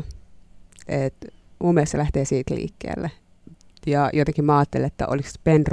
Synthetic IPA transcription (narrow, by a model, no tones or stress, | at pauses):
et̪umesːɑlæht̪eːsiːt̪lḭːkːḛːlːe | jɑjot̪eŋkimmɑɑːt̪ːḛlːet̪ːæ̰ʔo̰likspent̪r